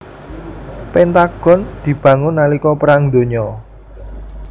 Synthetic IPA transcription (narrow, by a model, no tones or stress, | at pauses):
pɛnt̪aɡ̥ɔ̤nd̪̥i̤b̥ä̤ŋʊnːalikɔpəɾaŋd̪o̤ɲɔ